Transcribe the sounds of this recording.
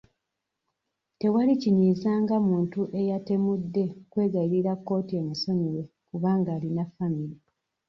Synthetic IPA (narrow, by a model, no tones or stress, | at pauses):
te̞waliciɲiːzaːŋɡamuːntuʔe̞jate̞mudːe̞kwe̞ːɡaiɾiɾakːo̞ːtie̞ːmuso̞ɲiwe̞ | kuβaːŋɡaːlinafamiɾi